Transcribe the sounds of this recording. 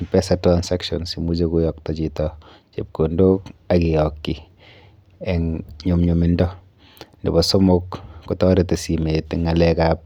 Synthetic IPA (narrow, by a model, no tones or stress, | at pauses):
pɛsatɾansakʃɔnsimud͡ʒekujɔk̚tɔt͡ʃitɔ | t͡ʃep̚kondokakijɔkːi | ɛŋɲumɲumindɔ | ndḛbɔsomʊkkutɔɾetesimetŋalɛkap̚